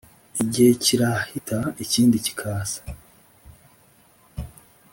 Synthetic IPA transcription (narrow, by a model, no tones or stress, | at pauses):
iɟeeciɾahitʰaiciːndici̥kʰaːsḁ